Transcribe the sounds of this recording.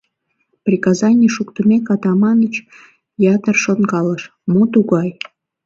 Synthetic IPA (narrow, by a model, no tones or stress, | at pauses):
prʲikɑzɑnʲiʃukt̪umʲekɑt̪ɑmɑnət͡ɕ | jɑt̪ərʃonɡɑləʃ | mut̪uɣɑj